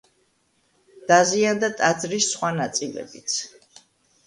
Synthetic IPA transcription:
d̪̥aziand̪at̪ʼad̪zɾisːχwanat̪sʼilɛ̰bit̪sʰ

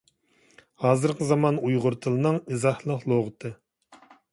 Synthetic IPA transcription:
hɑːzɨɾqəzɑmɑnujʁʊɾt̪ʰɨlˠɨnɨŋizɑhlˠəqlˠoʁɨt̪ʰɨ

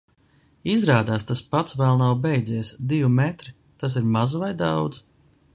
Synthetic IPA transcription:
izɾaːd̪aːst̪aspat̪svɛlˠnawbɛjd̪ziɛsd̪ivumɛt̪ɾi | t̪as̬iɾmazuvajd̪awd̪z̥

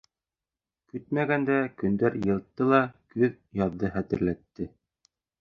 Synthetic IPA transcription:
kɵt̪mæɡænd̪ækɵ̆nd̪æɾjɤ̆lˠt̪ːɤlˠɑkɵð | jɑðːɤχæt̪ɘ̆ɾlæt̪ːɘ

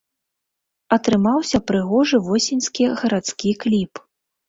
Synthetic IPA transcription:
ɐt̪ɾɨmawsʲɐpɾɨɣɔʐɨvɔsʲinʲskʲiɣɐɾat̪skʲiklʲip

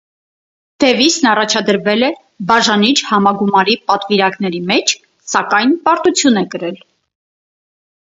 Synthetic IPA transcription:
d̪̥ɛvisnɑrɑt͡ʃʰɑd̪əɾvɛlɛ | bɑʒɑnit͡ʃʰhɑmɑɡumɑɾipɑt̪viɾɑknɛɾimɛt͡ʃʰ | sɑkɑjnpɑɾt̪ut͡sʰjunɛkəɾɛl

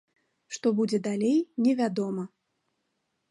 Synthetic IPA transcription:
ʂt̪ɔbud͡zʲɛd̪alʲejnʲɛvʲad̪ɔmɐ

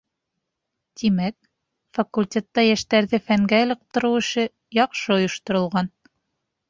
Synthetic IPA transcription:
t̪imæk̚ | fakulʲtʲet̪ːɑjæʃt̪æɾðɘfæŋɡæɤ̆lˠɤ̆q̚t̪ɤ̆ɾɤwɘ̆ʃɘ | jɑqʃɤŏjŏʃt̪ŏɾɤ̆lˠʁɑn

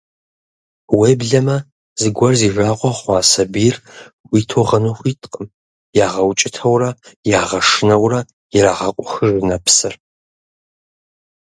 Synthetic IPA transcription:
weːbɮɐmɐ | zɨɡʷɐrziːʐaːʁʷɔχʷɑːsɐbirʷ | iːtʰoːʁɐnoχʷiːtʰʼqʼəm | jaːʁɐwt͡ʃʼɪtʰɐwrɐjaːʁɐʂɨnɐwrɐ | jɪɾaːʁɐqʷʼɔxəʐɨnɐpʰsɨr

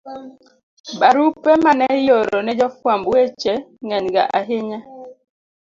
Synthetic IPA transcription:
baɾupɛmanɛjoɾɔnɛd͡ʒɔfwambwet͡ʃeŋɛɲɡa̰ʔaɦɪɲa

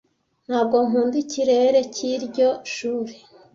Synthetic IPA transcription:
n̥haːb̚ɡo̞ŋuːndiciɾe̞ːɾe̞ciɾɟo̞ʃuːɾe

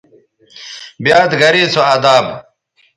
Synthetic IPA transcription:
bijaːt̪ɡɐɾiːt͡sʰoɐd̪aːb

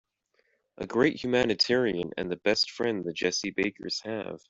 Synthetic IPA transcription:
ʔɨ̰ɡɹeɪʔ̚hjʉmænɨtʰɛɹiɨ̃nɨ̰̃nðɨbɛstfɹɛ̃nðɨt̚d̥ʒ̥ɛsibeɪkʰə̰˞z̥hɨ̰v̥

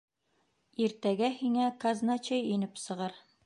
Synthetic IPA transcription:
iɾt̪æɡæhiŋækaznat͡ɕejinɘpsɤ̆ʁɤɾ

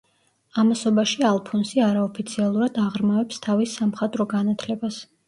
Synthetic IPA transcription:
amasɔbaʃialˠpʰunsiaɾaɔpʰit̪sʰialˠuɾad̪aʁɾmavɛpst̪ʰavisːamχat̪ʼɾɔɡanat̪ʰlɛbas

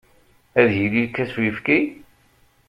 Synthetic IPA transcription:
æðjililkːæswifki

